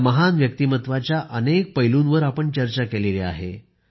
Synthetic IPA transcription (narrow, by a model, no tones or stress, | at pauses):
məɦanʋjək̚t̪iːmət̪ʋat͡ɕjaʔənek̚pəjlunʋəɾapəɳt͡ɕəɾt͡ɕakelelea̰ɦḛ